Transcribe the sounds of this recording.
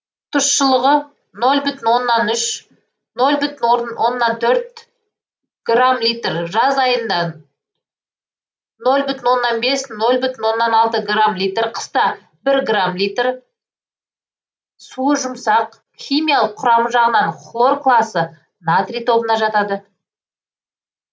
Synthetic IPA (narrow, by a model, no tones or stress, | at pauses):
t̪ʰʊʃsʃəlˠəʁə | no̞lˠbʏt̪ɪnwo̞nːɑnʏʃ | no̞lˠbʏt̪ɪnwowʔo̞nːɑnt̪ʰɵɾt̪̚ | ɡ̥ramlʲijt̪rʒɑzɑjənd̪ɑ | no̞lˠbʏt̪ɪnwo̞nːɑnbe̞sno̞lˠbʏt̪ɪnwo̞nːɑnɑlˠt̪əɡramlijt̪rqʰə̥st̪ɑ | bɪɾɡramlijt̪r | suəʒʊmsɑq | χʲijmʲijɑlˠəqʰːʊɾɑməʒɑʁənɑɴχlˠo̞rklˠɑsə | nat̪rijt̪ʰo̞bənɑʒɑt̪ɑd̪ə